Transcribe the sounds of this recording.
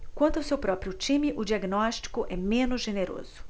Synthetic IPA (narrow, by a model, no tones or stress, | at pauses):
kwɐ̃nt̪ʊawsewpɾɔpɾiʊt͡ʃĩmɪʔʊd͡ʒiaɡnɔʃt͡ʃi̥kʊʔɛmẽnʊzʒeneɾo̰zʊ̥